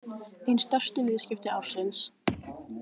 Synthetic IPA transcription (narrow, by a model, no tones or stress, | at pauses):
ejnst̪œr̥st̪ʏvɪːðscɪft̪ɪawr̥sɪns